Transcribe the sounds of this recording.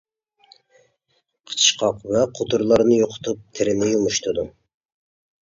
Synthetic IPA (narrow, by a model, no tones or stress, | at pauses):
qʰə̥t͡ʃʰɨ̥ʃqʰɑqvɛqʰot̪ʰuɾlˠɑɾnɨjoqʰʊ̥t̪ʰup̚t̪ʰeɾɪmɪjomuʃt̪ʰud̪u